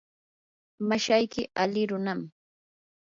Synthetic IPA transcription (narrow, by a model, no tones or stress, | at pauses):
maʃajkɪalɪɾʊnam